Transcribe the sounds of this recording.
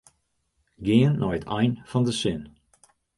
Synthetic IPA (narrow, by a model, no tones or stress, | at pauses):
ɡɪənːɔjətʰɛjnfɑndəsɪn